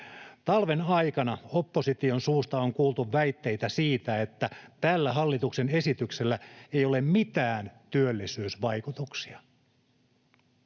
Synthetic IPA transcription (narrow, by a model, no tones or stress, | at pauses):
t̪ɑlʋe̞nɑjkɑnɑo̞pːo̞sit̪io̞nsuːst̪ɑo̞ŋkuːlt̪uʋːæjt̪ːe̞jt̪æsiːt̪æe̞t̪ːæt̪ælːæɦɑlːit̪ukse̞ne̞sit̪ykse̞lːæe̞jo̞le̞mmit̪æːnt̪yølːisyːsʋɑjkut̪uksiɑ